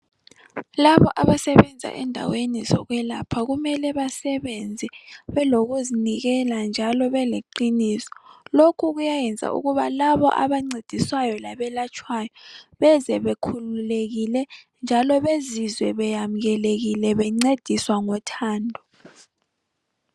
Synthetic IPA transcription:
laβɔʔaβasɛβɛnd͡zʱa̰ʔɛ̰ndʱa̰wenizɔ̰ɣwɛlapʰaɣumɛlɛβasɛβɛnd͡zʱɛβɛloɣuziniɣɛland͡ʒʱalɔβɛleǃiniːsɔ̥lokʰuɣujajɛnd͡zʱa̰ʔṵɣuβalaβɔ̰ʔa̰βaŋ͡ǀed̥ʱiswajɔlaβɛlat͡ʃʼʰwajɔβɛzɛβekʰululeɣilɛ | nd͡ʒʱalɔβezizwɛβɛjam̩ɣɛleɣilɛβɛŋ͡ǀed̥ʱiswaŋɔtʰaːndʱɔ

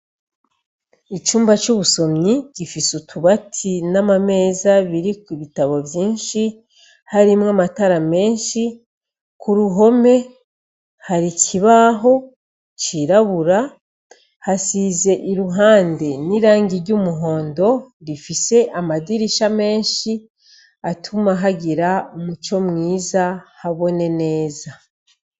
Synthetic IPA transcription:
it͡ʃuːmbat͡ʃuβuso̞mɲiɟ̥ifisutʰuβatʰinamame̞ːzaβiɾikuβitaβo̞vjiːnʃi | haɾimŋamataɾame̞ːnʃi | kuɾuɦo̞me̞ | haɾicʰiβaɦo̞ | t͡ʃiɾaβuɾa | hasize̞ʔiɾuɦaːnde̞niɾaːɲɡiɾɟumuɦo̞ːndo̞ɾifise̞ʔamadiɾiʃame̞ːnʃi | atʰumaɦaɟiɾamut͡ʃo̞mŋiːzahaβo̞ne̞ne̞ːza

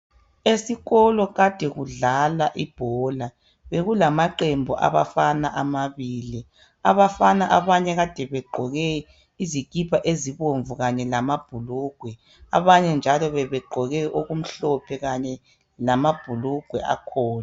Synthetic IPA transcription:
esiɣɔlɔɣad̥ʱɛɣuɮalaʔib̥ʱɔla | βeɣulamaǃembʱɔʔa̰βa̰fanaʔamaβiːli | aβafanaʔaβaɲɛɣad̥ʱɛβɛɡ͡ǃʱɔɣɛ | izikʼipʰaʔeziβoɱvuɣaɲɛlamab̥ʱuluɡ̥ʱwɛ | a̰βaɲɛnd͡ʒʱalɔβɛβɛɡ͡ǃʱɔɣɛʔoɣum̩ɬɔpʰɛɣaɲɛ | lamab̥ʱuluɡ̥ʱwɛʔa̰kʰɔːna

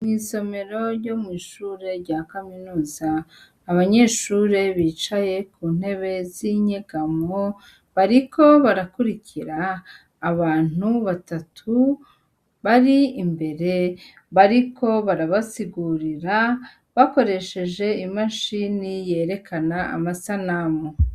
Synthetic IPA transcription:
miːso̞me̞ɾo̞ɾɟo̞mwiːʃuːɾe̞ɾɟakaminuːzaː | βaɲe̞ːʃuːɾe̞βiːt͡ʃaje̞kuːn̥he̞βe̞ziɲeɡamo | βaɾikʰo̞βaɾakuɾiciɾaː | βaːn̥huβatatʰu | βaɾiːmbe̞ɾe̞ | βaɾikʰo̞βaɾaβasiɡuɾiɾa | βako̞ɾe̞ʃe̞ʒe̞imaʃinije̞ːɾe̞kanaa̰masanamo

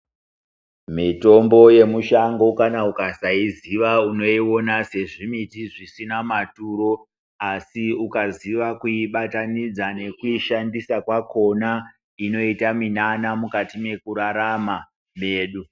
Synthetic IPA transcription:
mito̞mbo̞je̞muʃaŋɡo̞kanaukasaiziʋauno̞iwo̞nase̞ʐimitiʐisinamatuɾo̞ | asiukaziʋakuiɓatanid͡zane̞kuiʃandisakwako̞na | ino̞itaminanamukatime̞kuɾaɾama | me̞ːɗu

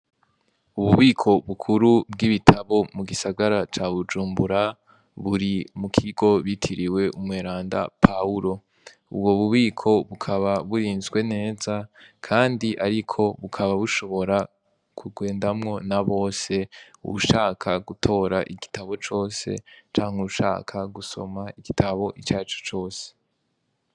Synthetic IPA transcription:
uβuβiːkʰo̞βukʰuɾub̚ɡiβitʰaβo̞muɡisaɡaɾat͡ʃaβud͡ʒuːmbuɾa | βuɾimukʰiɡo̞βitʰiɾiwe̞ʔumŋeːɾaːnda̰pʰauɾo̞ | ṵbwoβuβiːkʰo̞βukʰaβaβuɾiːnzɡwe̞ne̞ːzakʰaːndiʔaɾikʰo̞βukʰaβaβuʃo̞βo̞ɾa | kʰuɡwe̞ːndamŋo̞naβo̞ːse̞ṵuʃaːkʰaɡutʰo̞ːɾaʔiɡitaβo̞t͡ʃo̞ːse̞̰t͡ʃaːŋ̥uuʃa̰ːkʰaɡuso̞̰maiɡitʰaβo̞ʔit͡ʃaːt͡ʃu̥t͡ʃo̞ːse̥

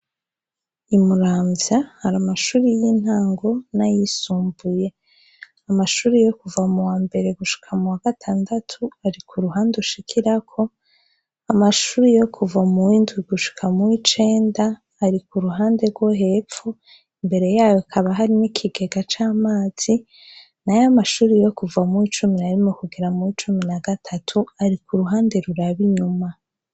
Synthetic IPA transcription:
imuɾaːmvjahaɾamaʃuːɾijin̥haːŋɡo̞najisuːmbuje̞ | amaʃuːɾejo̞kuvamuwaːmbe̞ɾe̞ɡuʃi̥kʰamuwaɡ̥atʰaːndatʰuaɾikʰuɾuɦaːndeuʃikʰiɾakʰo̞ | amaʃuːɾejo̞kʰuvamuwiːndwiɡuʃi̥kʰamuwit͡ʃe̞ːndaː | ɾikuɾuɦaːnde̞ɾɡwo̞ɦe̞ːfu | imbe̞ɾe̞jaːjoakʰaβaɦaɾinikʰiɡe̞ɡat͡ʃaːmaːz̥i | najamaʃuːɾijo̞kuvamuwit͡ʃuminaɾimokuɡeɾamuwit͡ʃuminaɡatʰatʰuaɾikuɾuɦaːnde̞ɾuɾaβiɲuma

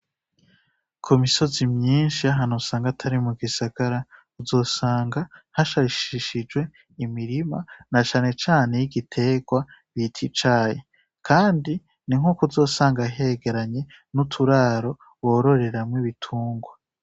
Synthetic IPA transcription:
kʰumiso̞zimɲiːnʃiaɦanosaːŋɡatʰaɾimuɡisaɡ̥aɾa | uzo̞ːsaːŋɡahaʃaiʃiʃid͡ʒɡwe̞ | imiɾima̰nat͡ʃaːne̞t͡ʃaːne̞jiɡitʰe̞ɡwa | βitʰit͡ʃaːje | kʰaːndi | niŋ̥ukuzo̞ːsaːŋɡaɦeɡe̞ɾaɲe̞ | nutʰuɾaːɾo̞ | woːɾo̞ɾe̞ɾamŋiβitʰuːŋɡwa

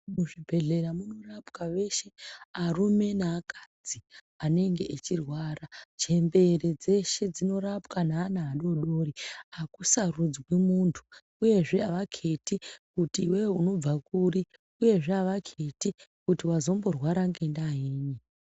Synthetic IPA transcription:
muʐibʱe̞ɮe̞ɾamuno̞rapkaʋe̞ʃe̞arume̞naːkʰad͡zi | ane̞ŋɡe̞ʔet͡ʃirwaːrat͡ʃe̞mbe̞red͡ze̞ʃe̞d͡zino̞ɾapkanaːnaːɗo̞ɗo̞riakusarud͡zɡwemuntʰu̥ | uje̞ʐe̞aʋakʰe̞tikutiːwewuno̞b͡vakuri | uje̞ʐeaʋakʰetikutiwazo̞mbo̞rwaɾaŋɡendaɦiːɲi

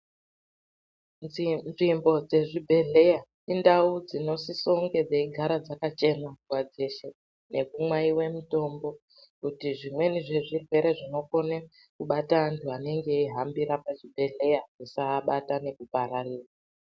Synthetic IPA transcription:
nʐimbo̞d͡ze̞ʐibʱe̞ɮe̞ja | indaud͡zino̞sisoŋɡe̞d͡zaiɡʱaɾad͡zakat͡ʃe̞nawad͡ze̞ʃe | ne̞kumwaiwe̞muto̞mbo̞ | kutiʐimwe̞niʐe̞ʐirwe̞ɾe̞ʐino̞ko̞ne | kuɓataːntʰuane̞ŋɡe̞iɦambiɾapaʐibʱe̞ɮe̞jaʐisaɓatane̞kupaɾariːra

